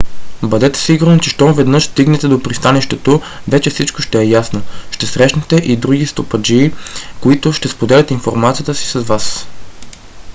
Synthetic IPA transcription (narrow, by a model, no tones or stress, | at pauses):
bɐd̪ɛt̪ɛ̥siɡuɾnot͡ʃɛʃt̪ɔvɛd̪nɤʃst̪iɡnɛt̪ɛd̪opɾist̪anɛʃt̪ɛt̪o | vɛt͡ʃɛfsit͡ʃkoʃt̪ɛːjasnoʃt̪ɛsɾɛʃnɛt̪ɛʔid̪ɾuɡist̪opɐd͡ʒiːkoit̪ʊʃt̪ɛspod̪ɛlʲɐət̪infoɾmat̪ijət̪əsi̥sɐzvas